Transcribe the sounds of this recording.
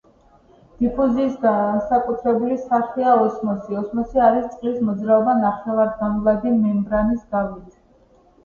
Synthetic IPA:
d̪̥ipʰuziːsɡasakʼut̪ʰɾɛbulisaɾχiaɔsmɔsiɔsmɔsiaɾist̪sʼqʼlismɔd̪zɾaɔbanaχɛvaɾd̪ɡamlad̪imɛmbɾanisɡavit̪ʰ

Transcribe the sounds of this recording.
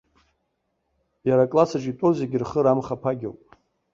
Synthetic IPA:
jaɾakʼlasaʈ͡ʂʼitʷʼozeɡʲɪrχəɾamχapʰaɡʲa̰wpʼ

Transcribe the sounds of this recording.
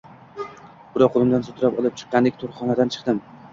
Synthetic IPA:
b̥ʊɾɒqʰolˠɪmd̪ansʊt̪ʰʊɾapɒlˠɪp̚t͡ʃʰɨ̥qːɑnd̪ɪkʲt̪ʰoɾχɒnad̪ant͡ʃʰɨ̥qd̪ɪm

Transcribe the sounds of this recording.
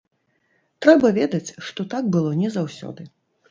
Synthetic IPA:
t̪ɾɛbɐvʲɛd̪ɐt͡sʲʂt̪ɔt̪ak̚bɨlˠɔnʲɛzawsʲɔ̰d̪ɨ

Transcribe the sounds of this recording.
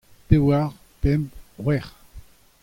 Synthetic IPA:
pewaʁ | pɛmʁwɛʁ

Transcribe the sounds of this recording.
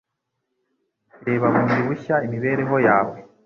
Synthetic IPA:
ɾeːβaβuːnduβuçaimiβe̞ːɾe̞ɦo̞jaːwe

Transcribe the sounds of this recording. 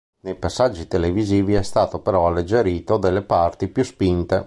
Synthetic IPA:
nejpasːad͡ʒːit̪eleviziːviɛst̪aːt̪opeɾɔalːed͡ʒːeɾiːt̪od̪elːepart̪ipjuspint̪e

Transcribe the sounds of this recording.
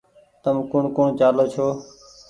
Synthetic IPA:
t̪əmkʊɳkʊɳt͡ʃaːloːt͡ʃʰoː

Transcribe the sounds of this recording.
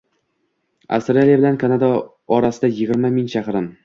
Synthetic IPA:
a̰st̪ɾalijabɪlankʰanad̪a | ɒɾasɪd̪ajɪɡʲɪɾmamɪŋʃʰaχɾɪm

